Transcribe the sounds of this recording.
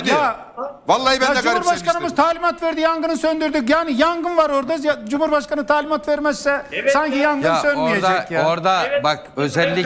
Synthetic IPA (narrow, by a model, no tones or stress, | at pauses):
a | valˠːabɛɛd͡ʒuahuɾbaʃkanɯmɯzt̪ʰaːlʲimat̪vɛɾd̪ijaŋɡɯnɯsønd̪yɾd̪ycjaːnijaŋɡɯnvaɾo̞ɾd̪azjd͡ʒumuɾbaʃkanɯt̪ʰaːlʲimat̪veɾmɛzsɛsaɲcʰijaŋɡɯnsønijed̪ajaoɾd̪abakøzɛlʲːi